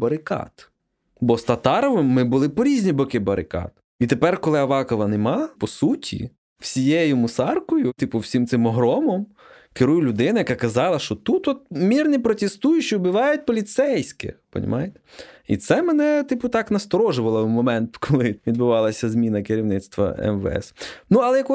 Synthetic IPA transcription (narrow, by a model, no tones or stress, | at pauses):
bɐɾɪkɑ̰t̪ | bɔst̪ɐt̪ɑɾɔʋɪmːɪbʊlˠɪpɔɾʲizʲnʲibɔkɪbɐɾɪkɑ̰t̪ | it̪epɛrkɔlˠɪɐʋɑkɔʋɐnɛmɑpɔsutʲḭ | w̥sʲijɛjʊmʊsɑrkɔjʊt̪ɪpʊwsʲimt̪sɪmɔɦɾɔmɔm | kɪɾujʊlʲʊd̪ɪnɐjɐkɑkɐzɑlˠɐʃt͡ʃɔt̪ut̪ɔt̪̚mʲirnʲipɾɔt̪ʲest̪ujʊt͡ʃiʊbɪʋɑjʊt̚ʲpɔlʲit̪sɛjsʲkɪ̰pɔ̰nʲɐ̰mɑjet̪ɛ̥ḭt̪sɛmenɛt̪ɪpʊt̪ɑknɐst̪ɔɾɔʒʊʋɐlˠɔmɔmɛnt̪kʰɔlˠɪʋʲid̪̚bʊʋɑlˠɐsʲɐzmʲinɐkɪɾʲiʋwnɪt̪st̪ʋɐ̰ɛ̰mʋ̰ɛ̰snuɐlˠɛjɐkɔ